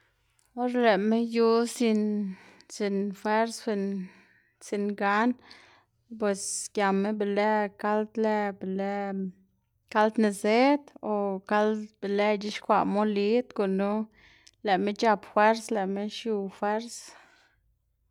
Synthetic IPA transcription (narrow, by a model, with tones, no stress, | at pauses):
o˦ɾle˨me˦ju˧si˧nsi˧nfwe˦ɾsxi˧n | si˧nɡa˦n | p̬we˨sɡja˨me˦be˨le˦ka˦ld̪le˧be˨le˦ | ka˦ld̪ne˧ze˦d̪o˨ka˦lbe˨le˦t͡ʃi˦ʃkʷa̰˧˨ʔmo˦li˦t̪ko˨nu˦ | le˨me˦t͡ʃa˧pfwe˦ɾsle˨me˦ʃju˧fwe˦ɾs